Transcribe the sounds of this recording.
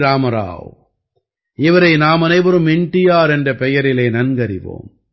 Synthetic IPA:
ɾaːmɐɾa̰ːʋ | ɪʋɐɾɐɪnaːmɐnɐɪʋɐɾɯmɪɳʈːɪjaːɾɛndrɐpɛjɐɾɪleːnɐnɡɐɾɪʋo̰ːm

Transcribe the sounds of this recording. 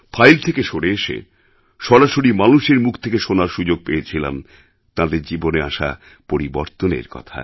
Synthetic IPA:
fʰajlt̪ʰekeʃoɽeeʃḛ | ʃɔɾaʃoɾimanuʃeɾmukʰt̪ʰekeʃonaɾʃud͡ʑoɡ̚peet͡ɕʰila̰m | t̪ãd̪eɾd͡ʑiboneaʃa̰ | poɾiboɾt̪onḛɾkɔ̰t̪ʰa̰

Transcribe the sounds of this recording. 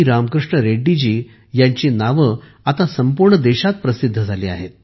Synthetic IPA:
iɾamkɾuʂɳəɾeɖːid͡ʑiː | jaɲt͡ɕenaʋə | at̪asəmpuɾɳəd̪ɛɕat̪̚pɾəsid̪ʱːəd͡zʱaliːa̰ɦet̪

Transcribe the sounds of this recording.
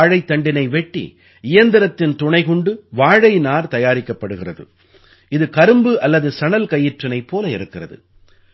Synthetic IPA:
ɻɐɪt̪ːɐɳɖɪnɐɪʋɛʈːḭ | ɪjɐnd̪ɪɾɐt̪ːɪnt̪ʊɳɐɪɣʊɳɖɯʋaːɻɐɪnaːɾt̪ɐjaːɾɪkːɐpːɐɽɯɣɪrɐðɯ̰ | ɪðɯkɐɾɯmbɯʔɐlːɐðɯsɐɳɐlkɐjːɪʈrɐnɐɪpːoːlɐɪ̰ɾɯkːɪrɐðɯ̰

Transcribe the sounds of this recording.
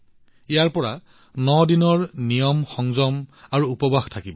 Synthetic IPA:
ijaɹpɔɹa | nɔdinɔɹnijɔmxɔŋzɔmaɹuupɔbaxtʰakibɔ

